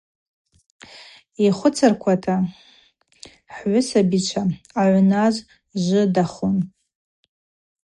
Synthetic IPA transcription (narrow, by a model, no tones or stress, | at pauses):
iχʷʊt͡sʰarkʷʰatʰa | ħʕʷʊsabit͡ʃʷʰaaʕʷnaz | ʒʷɨdaχʊn